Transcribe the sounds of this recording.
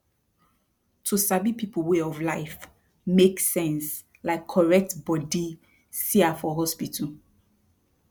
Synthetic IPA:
tʰusabipʰipʰəlweɔvlaɪf | meksɛ̃ns | laɪkʰːɔɹɛk̚tbɔdi | siafɔɦɔspitʰəl

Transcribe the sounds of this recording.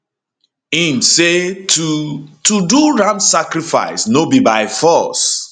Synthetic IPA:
ĩmseutuduɹãnsakɾifa̰ɪsnobibaɪfɔs

